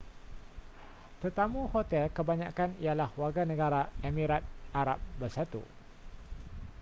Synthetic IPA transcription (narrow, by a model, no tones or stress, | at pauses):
t̪ərt̪amũhot̪ɛlkəbaɲa̰kanijalahwarɡanə̃ɡaɾaemĩɾat̪̚ʔaɾa̰p̚bərsat̪ṵ